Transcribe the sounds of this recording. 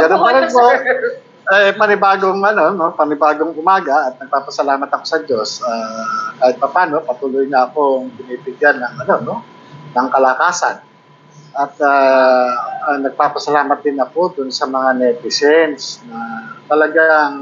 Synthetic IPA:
ɡɐnopɐlonpo | ʔɛpɐnɪbaːɡoŋɐno̞nopɐnɪbaːɡo̞ŋʔʊmaːɡaʔɐt̪̚nɐɡ̚paːpɐsɐlaːmɐt̪ɐko̞sɐd͡ʒo̞sakaːhɪt̪̚pɐpaːno̞pɐt̪uːlʊjɲaɐko̞ŋbɪnipɪɡanːɐŋʔɐno̞no̞ | nɐŋkɐlakaːsa̰n | ʔɐt̪̚aː | anɐɡ̚paːpɐsɐlaːmɐt̪̚d̪ɪnɐko̞d̪ʊnsɐmɐŋanɛt̪ɪsɛnsnɐt̪ɐlɐɡaŋ

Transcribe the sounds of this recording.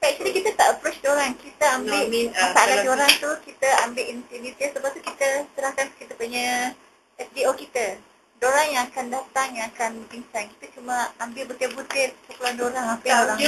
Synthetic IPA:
kat͡ʃadikit̪ət̪aʔəpɾot͡ʃdoɾaŋkit̪əambɪʔasaladoɾaŋt̪ukit̪əambɪʔint̪init̪əsəbat̪ukit̪ət̪əɾahkankit̪əpuɲa | ɛf̚diokit̪ə | doɾaŋjaŋakandat̪aŋjãŋakanəbiŋsanki̥t̪ət͡ʃuməambɪlbət̪əbut̪ɪt̪̚pukulandoɾaŋapədoɾaŋ

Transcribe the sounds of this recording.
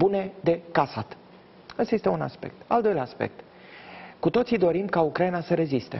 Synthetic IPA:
bune̞d̪e̞kasat̪ | əst̪aje̞st̪euna̰spe̞̰k̚t̪a̰ld̪o̞jlʲaːaspe̞̰k̚t̪ | kut̪o̞t̪sid̪o̞ɾimkaukɾainasəɾe̞zist̪e̞̰

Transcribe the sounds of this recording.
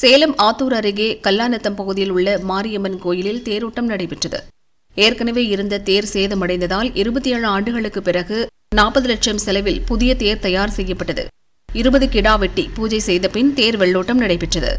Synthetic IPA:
seːlɐmaːt̪ːuːɾɐɾɪɣeːkɐlːaːnɐt̪ːɐmpɐɣɯðɪjɪlʊɭːɐmaːɾɪjɐmɐnkoːjɪlɪlt̪eːɾuːʈːɐmnɐɽɐɪpːɪʈrɐðɯ̰ | eːɾkɐnɐʋeːɪɾɯnd̪ɐt̪eːɾseːðɐmɐɽɐɪnd̪ɐðaːlɪɾɯbɐt̪ːɪjɐːɻɯaːɳɖɯɣɐɭɯkːɯpːɪɾɐɣɯ | naːpːɐðɯlɐʈʂɐmsɛlɐʋɪlpʊðɪjɐt̪eːɾt̪ɐjaːɾsɛjːɐpːɐʈːɐðɯ̰ | ɪɾɯbɐðɯkɪɽaːʋɛʈːipuːd͡ʒɐɪsɛjðɐpɪnt̪eːɾʋɛɭːuːʈːɐmnɐɽɐɪpːɪʈrɐðɯ̰

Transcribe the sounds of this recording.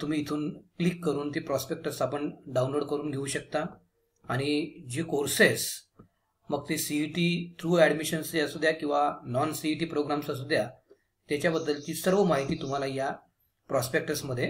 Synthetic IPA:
t̪um̤iːt̪ʰuːnklikːəɾuːnt̪epɾɔspek̚ʈəsapəɳɖaũnloɽkəɾuːnɡʱeuːɕək̚t̪aː | ɽ̃id͡ʑekoɾses | məɡt̪esiiʈiːt̪ʰɾuːɛɖmiɕənsjasud̪ʱjakĩw̃ʋanɔnsiiʈiːpɾoɡɾamsəs̬ud̪ʱja | t̪jat͡ɕjabəd̪ːəlt̪iːsəɾʋəmaɦit̪iːt̪um̤alaja | pɾɔspek̚ʈəsməd̪ʱːje

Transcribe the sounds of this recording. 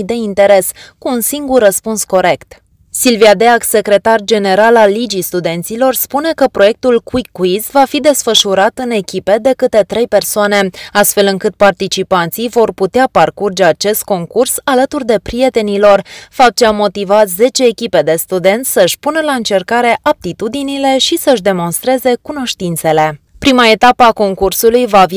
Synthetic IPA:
d̪e̞int̪e̞ɾe̞skuːnsiŋɡurːəspunsko̞ɾe̞kt̪ | silviad̪eakse̞kɾe̞t̪ard͡ʒe̞ne̞ɾalalːid͡ʒist̪ud̪e̞nt̪silo̞rspune̞kəpɾo̞je̞k̚t̪ulkwikːuizvafid̪e̞sfəʃuɾat̪ɨne̞kʲipe̞d̪e̞kɨt̪e̞t̪ɾe̞jpe̞rsoane̞ast̪fe̞lɨŋkɨt̪̚part̪it͡ʃipant̪sijvo̞rput̪eaparkurd͡ʒe̞at͡ʃe̞st̪̚ko̞ŋkursalət̪urd̪e̞pɾije̞t̪e̞nilo̞rfap̚t͡ʃeamːo̞t̪ivat̪ze̞t͡ʃe̞ːkʲipe̞d̪e̞st̪ud̪e̞nt̪sʲsəʃʲpunəlaɨnt͡ʃe̞rkaɾe̞ʔap̚t̪it̪ud̪inile̞ʃisəɨʃd̪e̞mo̞nst̪ɾe̞ze̞kuno̞ʃt̪int̪se̞le̞ | pɾimae̞t̪apəako̞ŋkursulujvav

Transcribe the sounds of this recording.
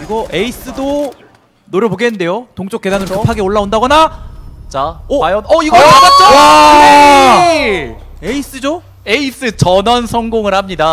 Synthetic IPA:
iɡʌʔeis͈ɯdo | noɾjʌboɡenɯnde̞jotoŋt͡ɕ͈ok͈e̞danɯɾosʰipʰaɡeoɭːaondaɡʌnat͡ɕaʌjʌnʌiɡʌaɡat̚t͡ɕ͈oa | eis͈ɯd͡ʑo | e̞is͈ɯt͡ɕʌnʌnsʰʌŋɡoŋɯɭhamɲida

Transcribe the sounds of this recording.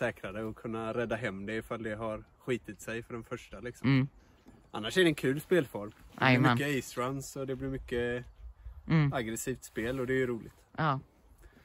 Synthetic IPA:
sɛːkɾad̪əɔkʰɵnːaɾɛd̪ːaɦɛmːd̪ɛɪfald̪ɛɦaɾɧiːt̪ɪt̪sɛjfœɖɛnfœʂʈalɪksɔm | ʔa̰nːaʂɛɖɛɛnkʰʉ̟ːlspeːlfɔlmd̪ɛmkːəɛːsɾansɔd̪ɛblɪɾmʏkːə | aɡɾɛsiːft̪speːlɔd̪ɛjɵɾuːlɪ̰ɡt̪ɑ

